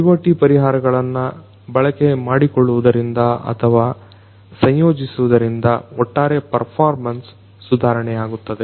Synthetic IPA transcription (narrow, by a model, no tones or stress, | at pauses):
iʋoːʈipɐɾiɦaːɾɐɡɐɭɐnːɐ | bɐɭɐke̞maːɽikoɭːuʋud̪ɐɾind̪ɐɐ̰t̪ʰɐʋaː | sɐɲjo̞ːd͡ʒisuʋud̪ɐɾind̪ɐɔʈːaːɾe̞pɐɾpʰaːɾmɐnsː | ud̪ʱaːɾɐɳɛjaːɡut̪ːɐd̪e̞